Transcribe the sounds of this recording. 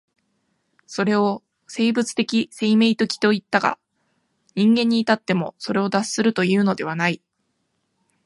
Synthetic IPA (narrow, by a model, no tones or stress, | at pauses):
so̞ɾe̞o̞ | se̞ːbɯ̟t͡sɨ̥t̪e̞kʲise̞ime̞it̪o̞kʲi̥t̪o̞it̪ːaɡa̰ | ɲ̟ĩŋɡẽ̞ɲ̟ːiːt̪at̪ːe̞mo̞so̞ɾe̞o̞d̪assɨɾɯ̟t̪o̞jɯ̟ːno̞d̪e̞β̞anai